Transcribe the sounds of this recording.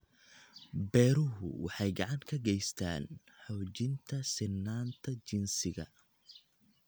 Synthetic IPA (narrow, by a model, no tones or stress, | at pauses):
bɛːɾʊɦʊ̰wɑ̰ħɑjɡɑʕɑŋkʰɐɡɛjst̪ʰa̰ːn | ħɔwt͡ʃɪnt̪ʰɐsɪnːaːnt̪ʰɐt͡ʃɪnsɪɣɐ̰